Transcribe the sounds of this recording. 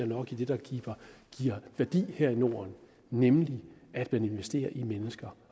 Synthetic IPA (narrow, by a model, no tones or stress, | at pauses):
ɐnɒ̽ɡ̥id̥e̝d̥ɑ̈ɡ̥iːb̥ɐɡ̥iɐ̰ʋæɐd̥ḭːheɐ̰ino̝̰ːɐn | nemliæd̥mæne̝nʋesd̥e̝̰ːɐʔimenəsɡ̥ɐ